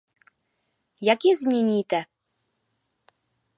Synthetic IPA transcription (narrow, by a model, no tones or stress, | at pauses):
jakʲizmʲenʲit̪ə